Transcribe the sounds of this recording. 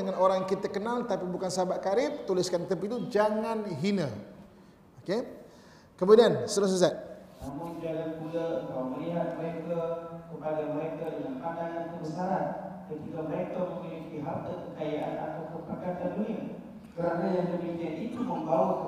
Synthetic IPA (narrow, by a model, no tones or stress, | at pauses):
əŋanoɾaŋjaŋkit̪əkənalt̪apibukansabaʔkaɾɪt̪̚t̪ulɪskant̪əp̬it̪ud͡ʒaŋanɦinə | oke | kəmudiansəɾəs̬əs̬at̪̚namʊnd͡ʒalanpulakaoməliɦat̪̚məɾekakəpaɡajməɾekadəŋanpananit̪ubəsaɾat̪̚kət̪ikaməɾek̪əməkinipiɦat̪əkəkajaʔa̰na̰t̪awkəpərkat̪andunia | kəɾanajaŋdəbikianit̪uməŋmbaʊ